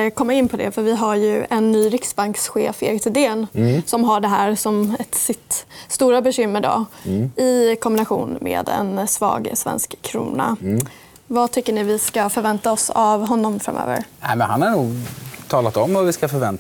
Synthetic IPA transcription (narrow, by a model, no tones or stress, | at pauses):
kʰɔmːaɪnːpʰɔd̪ɛ̰fœɾvɪɦaɾjɵɛnːyːɾɪksbaŋksɧeːfḛɡt̪ʰɪd̪eːnsɔmɦaɖɛɦæːɾsɔmɛt̪sɪt̪st̪uːɾabɛɕʏmːəɖɔ̰ɪkʰɔmbɪnaɧṵːnmḛːd̪ɛ̰nsvɑ̰ːɡsvɛ̰nskʰːɾṵːna̰ | vat̪ʰʏkːəɳɪvɪskafœɾvɛnt̪aɔsavɦɔnːɔmfɾa̰mʔø̰ːvə̰ɾnɛmɛnhanhaɳuːɡt̪ʰɑːlat̪ɔmvaɾvɪskafœɾvɛnt̪